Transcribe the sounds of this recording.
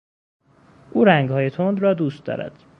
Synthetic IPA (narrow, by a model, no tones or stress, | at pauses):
ʔuːɾæŋɡhɒːje̞t̪ʰond̪rɒːd̪uːst̪̚d̪ɒ̰ːɾæ̰d̪̥